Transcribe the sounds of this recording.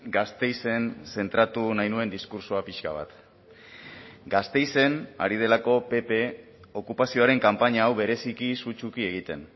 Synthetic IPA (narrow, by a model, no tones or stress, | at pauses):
ɡast̪e̞jse̞nse̞nt̪ɾat̪unajnue̞nd̪iskuɾsoapiʃkaβ̞a̰t̪ | ɡast̪e̞jse̞na̰ɾið̞e̞lako̞pe̞pe̞ | o̞kupasio̞aɾe̞ŋkampaɲaːwβe̞ɾe̞sikisut͡ʃukie̞ɣit̪e̞n